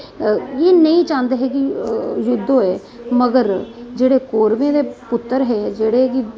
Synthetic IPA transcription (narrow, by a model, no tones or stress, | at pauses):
jeːnəĩːt͡ʃãːnd̪eɦɛːkijʊd̪ʱːõːɛː | məɡəɾd͡ʒeːɽeːkoːɾmẽːd̪eːpʊt̪ːəɾɦɛːd͡ʒeːɽeki